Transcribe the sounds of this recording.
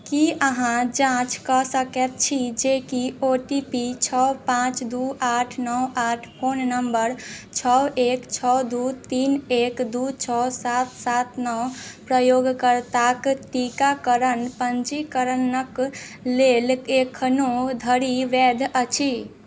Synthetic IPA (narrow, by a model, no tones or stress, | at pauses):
kiəɦãd͡ʒãt͡ʃkəsəkɛt̪̚t͡ʃʰid͡ʒekioʈipit͡ʃʰɔpãt͡ʃd̪uʔaʈʰnɔwaːʈʰpʰoːnːəmbəɾt͡ʃʰɔekt͡ʃʰɔd̪ut̪iːnekd̪ut͡ʃʰɔsat̪̚sat̪nɔpɾəjoɡkəɾt̪akʈikakəɾənpənt͡ʃikəɾənək | lelekʰənod̪ʱəɾiʋɛd̪ʱət͡ʃʰi